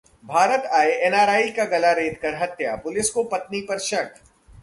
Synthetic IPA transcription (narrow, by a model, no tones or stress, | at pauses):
bʱaːɾət̪aːeʔɛːnaːɾaːikaɡɐlaɾeːd̪kɐɾɦɐt̪japʊlɪskopɐt̪̚nipɐɾʃɐʈ